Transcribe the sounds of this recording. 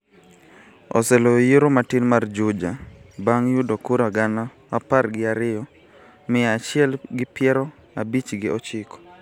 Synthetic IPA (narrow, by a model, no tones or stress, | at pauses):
ɔ̰sɛlojiɾomatinmard͡ʒʊd͡ʒabaŋjudokuɾaɡana | aparɡɪaɾɪjɔ | mɪat͡ʃɪɛlɡɪpɪjɛɾɔ | abit͡ʃɡɪɔt͡ʃɪkɔ̥